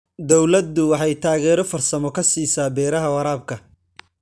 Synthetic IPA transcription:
d̪ɔwlɐd̪ʊwɑħɑjt̪ʰaːɣɛːɾɔfɐrsɐmɔkʰɐsiːsaːbɛːɾɐɦɐwɑɾaːb̚kʰɐ

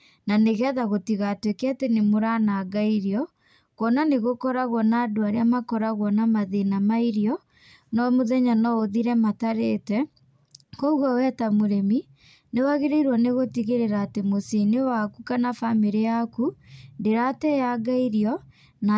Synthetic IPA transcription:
naneɣɛðaɣotiɣatwekeatenemoɾanaːɡaiɾiɔ | kwɔnaneɣokɔɾaɣwɔnaːdoaɾeamakɔɾaɣwɔnamaðenamaiɾiɔ | nɔmoðɛɲanɔoðiɾɛmataɾetɛ | kɔuɣɔwɛtamoɾemi | newaɣeɾeiɾwaneɣotiɣeɾeɾaːtemosinewakukanafamiɾijakundeɾatɛjaɡaiɾiɔ | na

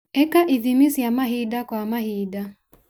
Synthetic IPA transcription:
ɛkaʔiðimisiamaɦidakwamahida

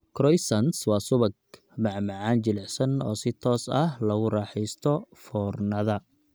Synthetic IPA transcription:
kʰɾɔjsɐnswɑːsʊβɐɡ̚ | mɑʕmɑʕɑːnt͡ʃɪlɛʕsɐnɔːsɪt̪ʰɔːsɐhlɐɣʊrɑːħɛjst̪ʰɔfɔːrnɐðɐ

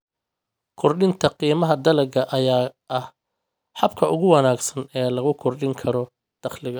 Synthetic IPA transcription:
kʰɔrɗɪnt̪ʰɐqiːmɐɦɐd̪ɐlɐɡɐʔɐjaːʔɐh | ħɑbkʰɐʔʊɣʊwɑnaːɡsɐnɛːlɐɣʊkʰɔrɖɪŋkʰɐɾɔ | d̪̥ɐχlɪɣɐ

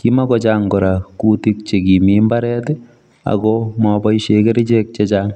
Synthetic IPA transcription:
kimakɔt͡ʃaːŋkɔɾakutik̚t͡ʃekimimbaɾɛtɛ | a̰kɔmɔbɔiʃekeɾit͡ʃek̚t͡ʃet͡ʃaːŋ

